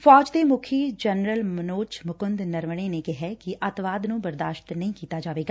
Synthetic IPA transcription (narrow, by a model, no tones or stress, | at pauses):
fɔːd͡ʒd̪eːmʊkʰiːd͡ʒɛnɾəlmənoːt͡ʃmʊkʊnd̪nəɾʋɽ̃eːnekɪɦɛːkɪʔət̪ʋaːd̪nũːbəɾd̪aːʃt̪nəĩːkiːt̪aːd͡ʒaːʋeːɡaː